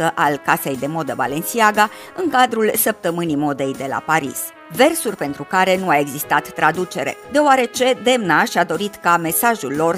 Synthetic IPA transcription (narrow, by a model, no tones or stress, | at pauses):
əʔalkase̞jd̪e̞mo̞d̪əva̰le̞nsiaɡa | ɨŋkad̪ɾulsəp̚t̪əmɨnimo̞d̪e̞jd̪e̞la̰paɾḭs | ve̞rsurʲpe̞nt̪ɾukaɾe̞nuae̞ɡzist̪at̪ːɾad̪ut͡ʃe̞ɾe̞̰d̪eoaɾe̞t͡ʃe̞d̪e̞mnaʃad̪o̞ɾit̪kame̞saʒulːo̞r